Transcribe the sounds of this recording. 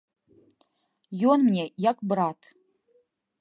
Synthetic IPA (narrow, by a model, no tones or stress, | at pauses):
jonmnʲejakʷʼbɾatʰ